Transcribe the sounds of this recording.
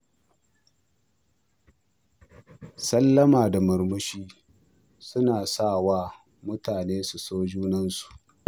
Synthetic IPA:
sɐ˦lːɐ˦maː˨da˨mʊ˨rmʊ˦ʃiː˦ | sʊ˦naː˨saː˦˨waː˦ | mʊ˦taː˨neː˦su˨soː˦d͡ʒuː˦nɐ˦nsu̥˨ʔ

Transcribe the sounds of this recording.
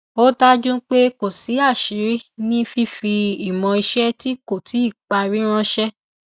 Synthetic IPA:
o˦da˦d͡ʒũ˦k͡pe˦ko˨si˨˦a˦˨ʃi˨˦ɾi˦nĩ˦fi˦fi˧i˨mɔ̃˧i˧ʃɛ˦ti˦ko˦˨ti˨˦i˦˨k͡pa˧ɾi˦ɾ̃ã˦ʃɛ˦

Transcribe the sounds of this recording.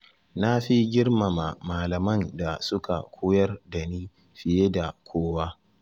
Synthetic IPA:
na˦ɸi˦ɡʲɪ˦rma˨ma˨maː˨lɐ˨mɐ˦˨nda˨sʊ˦ka̰˨kʷʰoː˦jɐ˦rdɐ˨niː˦ | ɸɪ˨je˦da˨kʷʰoː˦waː˦

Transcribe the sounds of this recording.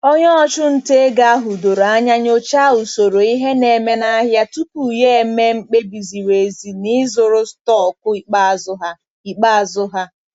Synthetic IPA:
o˦ɲɔ˦ɔ˦t͡ʃʊ˦n̩˨te˦ɡa˦a˦ɦʊ˨do˨ɾa˦ɲa˦ɲo˦t͡ʃa˦ʊ˨so˨ɾo˨i˦ɦe˦ne˨me˦na˦ɦja˦tu˦pu˨je˦e˨˦me˦ŋ͡m̩˦k͡pe˦bi˨zi˨we˨zi˨ni˦zʊ˨ɾʊ˦stɔ˦˨kʊ˦i˨k͡pa˦˨zʊ˦ɦa˦ | i˨k͡pa˦a˨zʊ˦ɦa˦

